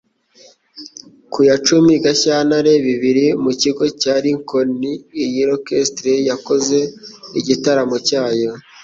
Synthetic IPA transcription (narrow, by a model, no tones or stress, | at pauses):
kujat͡ʃumiɡaçanaɾe̞βiβiɾimuciɡo̞caːɾiŋko̞niːjiɾokestɾejako̞ze̞iɟitaɾamo̞caːjo̞